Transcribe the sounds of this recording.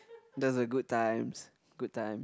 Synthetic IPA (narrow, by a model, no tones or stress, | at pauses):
dʌzəɡʊd̚tʰãɪ̃mz̥ | ɡ̥ʊd̚tʰãɪ̃m